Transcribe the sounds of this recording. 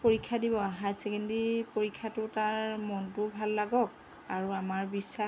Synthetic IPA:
poɹikʰːadibɔaɦajsɛkɛndipoɹikʰːatʊtaɹmɔntʊbʱalːaɡɔk̚ | aɹuamaɹbisa

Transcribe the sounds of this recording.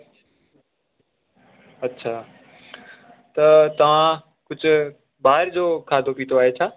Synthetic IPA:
ɐtːɕʰaː | t̪ɐt̪ɐʋ̤ã | kʊd͡ʑʱʊ̆ | baːɦɪɾd͡ʑoːkʰaːd̪ʱopiːt̪oaːɦet͡ɕʰaː

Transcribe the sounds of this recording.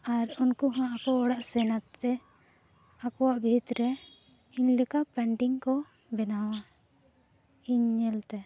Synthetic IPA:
aɾɔnkuɦãakɔɔɽaʔsɛnat̪ːɛ | akɔwaʔbʱit̪ɾɛ | inlɛkaʔpɛɳʈiŋkɔ | bɛnawa | iɲːɛlt̪ɛ

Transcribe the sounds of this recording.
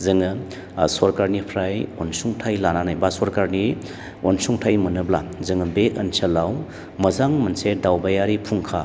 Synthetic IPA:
zɯŋɯ | sɔɾkaɾnipʰɾajonsuŋtʰajlananajbasɔɾkaɾni | onsuŋtʰajmɐnɯblazɯŋɯbek̚ɐnsəlaw | mɐzaŋmɐnsedawbajaɾipʰuŋkʰa

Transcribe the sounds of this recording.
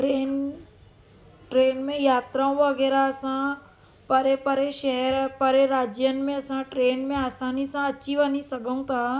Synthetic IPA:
ʈɾeːn | ʈɾeːnmẽjaːt̪ɾaũʋɐɡɛːɾaɐsã | pɐɾepɐɾeʃɛɦɛɾpɐɾeɾaːd͡ʒjənmẽɐsãʈɾeːnmẽaːsaːnisãɐtːʃʰibɐnisɐɡəũt̪ʰaː

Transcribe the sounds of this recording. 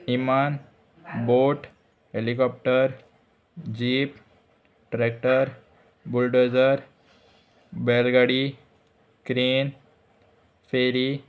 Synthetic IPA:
iman | boʈ | ɦelikɔp̚ʈəɾ | d͡ʑiːp | ʈɾek̚ʈəɾ | bulɖod͡zəɾ | belɡaɽi | kɾiːn | feɾi

